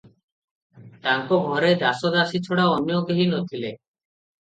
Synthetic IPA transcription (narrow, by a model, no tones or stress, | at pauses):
t̪aŋkoɡʱɔɾed̪asod̪asit͡ʃʰoɽaɔnjoɡiɦinot̪ʰile